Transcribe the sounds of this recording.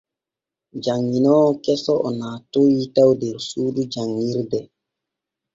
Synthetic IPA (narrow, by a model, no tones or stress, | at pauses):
d͡ʒaŋːinɔkɛsɔʔɔnaːtojitawdɛɾsuːdud͡ʒaŋːiɾdɛ